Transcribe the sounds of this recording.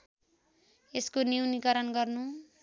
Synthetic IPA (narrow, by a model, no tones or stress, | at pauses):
eskoniwnikʌɾʌnɡʌrnu